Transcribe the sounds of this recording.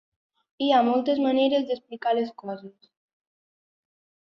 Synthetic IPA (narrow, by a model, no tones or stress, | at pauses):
iamɔlˠt̪ezməneɾezd̪əsplikaleskɔzes